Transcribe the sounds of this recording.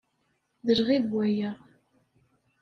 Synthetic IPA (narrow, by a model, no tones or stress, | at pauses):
ðəɾʁiðwæjæ